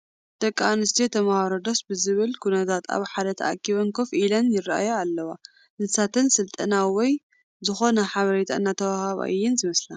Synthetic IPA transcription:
d̪̥ɐkʼːanɨst̪ʰet̪ʰɐmahɐɾod̪osbɨzɨβɨlkʰunɐt̪ʰat̪a̰βħad̪ɐt̪ʰɐ̰ʔa̰kʰʼːiβɐnkʰofʔilɐnjɪraa̰joalːɐwa | nɨsat̪ʰɨnsɨlt̪ʼɐnawɔj | zɨxo̞nɐħaβɐɾet̪ʰa̰ɨnːat̪ʰɐwahaβa̰ʔɨjːɪnzɨmɐsla

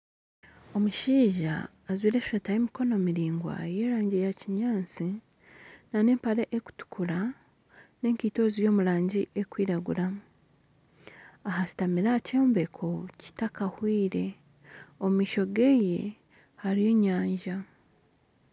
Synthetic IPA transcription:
o̞muʃiːʒa̰ː | zwiːɾeʃʃatajemiko̞no̞miɾiːŋɡwa̰je̞ːɾaːɲɟejaciɲaːnt͡si | nane̞ːmpaɾeʔeku̥tu̥kʰuɾa | ne̞ŋkito̞ːzijo̞ːmuɾaːɲɟiʔe̞kwiːɾaɡuɾa | aɦasi̥tamiɾacoːmbekʰo̞ci̥takahwiːɾe̞ | omumiːʃo̞ɡe̞je̞̰ | haɾijo̞ːɲaːɲʒa

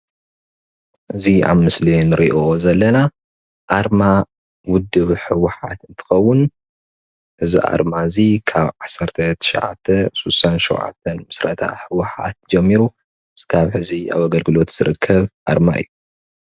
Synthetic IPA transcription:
ʔɨzia̰βmɨslinɨɾiʔozɐlːɐna | ʔaɾma | wʊd̪ːɨβħɨwʊħat̪ɨnt̪ʰɨ̥xɐwːʊn | ʔɨzḭʔa̰ɾmazikʰaβʕasɐɾt̪ʰɐt̪ʰɨ̥ʃɐ̰ʕa̰t̪ʰːɐsusanʃṵwʕa̰t̪ʰːɐnmɨsɾɐ̰t̪ʰa̰ħɨwːʊħa̰t̪̚d͡ʒɐmːiɾu | skʰaβħɨzia̰βaɡɐlɡɨlo̞t̪z̥ɨɾɨkʰːɐβʔa̰ɾma̰ɨ̰jːu

